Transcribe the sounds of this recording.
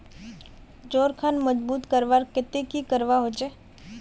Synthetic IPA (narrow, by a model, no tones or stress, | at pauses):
d͡ʒoːɾkʰanməd͡ʒbuːt̪kəɾʋaːɾkɪt̪ekikəɾʋaɦoːt͡ʃeː